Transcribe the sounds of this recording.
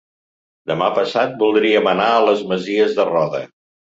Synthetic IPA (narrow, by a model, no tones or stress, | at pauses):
d̪əmapəsat̪̚bulˠd̪ɾiəmənaələzməziəzðərɔðə̰